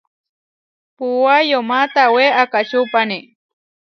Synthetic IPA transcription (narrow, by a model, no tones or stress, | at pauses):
pʊwajomat̪aweʔakat͡ʃʊpani